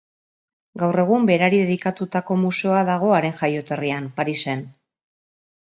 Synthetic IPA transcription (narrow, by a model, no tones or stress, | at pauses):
ɡawre̞ɣ̞umbe̞ɾaɾiðe̞ðikat̪ut̪ako̞musuaðaɣ̞o̞aɾe̞nʝajo̞t̪e̞rianpaɾise̞n